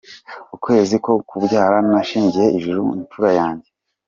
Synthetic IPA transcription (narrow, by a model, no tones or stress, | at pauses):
ukwe̞ːziko̞kʰubɟaːɾamaʃiːɲɟijeiʒuɾuinfuɾajaːɲɟe